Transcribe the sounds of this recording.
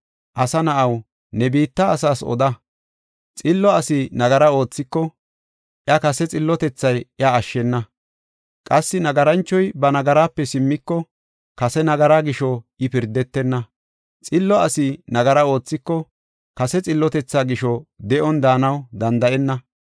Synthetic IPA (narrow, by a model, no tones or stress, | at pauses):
ʔɐsɐnɐʔɐw | nɛbiːt̪ːɐːs̬aːsɔ̰d̪ɐ | t͡sʼɪlːɔɐsɪnɐɡɐɾɐo̞ːt͡sːɪkːɔ | ʔjɐkɐsɛt͡sʼɪlːɔt̪ɛt͡sːɐjʔjɐːʃːɛnːɐ | kʼɐsːɪnɐɡɐɾɐnt͡ʃːɔjbɐnɐɡɐɾaːpːɛsɪmːɪkːɔ | kɐsɛnɐɡɐɾaːɡɪʃɔɪpɪɾd̪ɛt̪ːɛnːɐ | t͡sʼɪlːɔɐsɪnɐɡɐɾɐo̞ːt͡sːɪkːɔ | kɐsɛt͡sʼɪlːɔt̪ɛt͡sːaːɡɪʃɔd̪ɛʔɔnd̪aːnɐwd̪ɐnd̪ɐʔɛnːɐ